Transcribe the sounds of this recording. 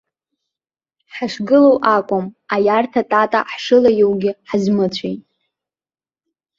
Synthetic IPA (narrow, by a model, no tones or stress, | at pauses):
ħaʂɡɨlowʔakʷʼʊmajartʰatʼatʼa̰ħʂɨlajowɡʲɪħazmɨt͡sʷʰejtʼ